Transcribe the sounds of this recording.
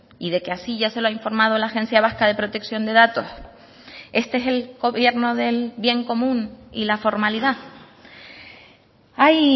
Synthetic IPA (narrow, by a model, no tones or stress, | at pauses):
iðe̞keasiʝase̞loaiɱfo̞ɾmað̞olaxe̞nsjaβ̞ahkaðe̞pɾo̞t̪e̞ksjo̞nd̪e̞ðat̪o̞s | e̞st̪eeselɡo̞βje̞ɾno̞ðe̞lβje̞ŋko̞mũnḭlafo̞ɾmaliða | aj